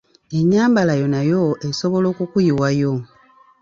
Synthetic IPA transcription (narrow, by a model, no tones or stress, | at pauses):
e̞ɲːaːmbalajo̞najo̞e̞so̞βo̞lo̞ːkukujiwajo